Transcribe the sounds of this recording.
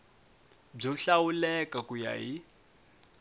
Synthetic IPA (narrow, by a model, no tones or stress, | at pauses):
b͡ʐɔɬawulɛkakuja̰ɦi